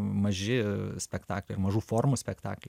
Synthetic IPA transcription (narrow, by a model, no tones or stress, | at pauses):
mɐʒʲɪsʲpʲɛkt̪ɑ̰ːklʲɛɪɾmɐʒuːfoːrmusʲpʲɛkt̪ɑ̰ːklʲɛ